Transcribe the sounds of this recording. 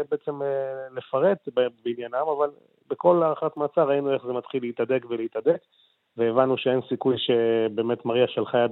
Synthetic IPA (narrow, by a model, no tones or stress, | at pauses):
beet͡se̞mle̞faʁe̞t̪bebinjanamaval | beko̞laʁχat̪maːt͡saʁainueχzemat̪χileit̪ad̪ekveleit̪ad̪e̞k | veːvanuʃeensikujʃe̞be̞ːme̞t̪maʁiaʃelχajad